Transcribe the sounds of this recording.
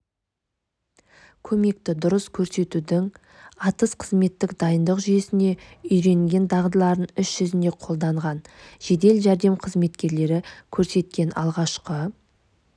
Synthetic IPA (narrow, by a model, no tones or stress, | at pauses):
kʲʰɵme̞k̚t̪ɪd̪ʊɾəskʲʰɵɾse̞t̪ud̪ɪŋ | ɑt̪əsqʰəzme̞t̪ːɪkd̪ɑjənd̪əqʒʏje̞sɪne̞ʏjɾe̞ŋɡʲe̞nd̪ɑʁd̪əlˠɑɾənʏsʒ̥ʏzɪne̞qʰo̞lˠd̪ɑɴʁɑnʒ̥e̞d̪e̞lʒæɾd̪e̞mqʰəzme̞t̪kʲe̞ɾle̞ɾɪkʲʰɵɾse̞t̪̚kʲe̞nɑ̰lˠʁɑʃqə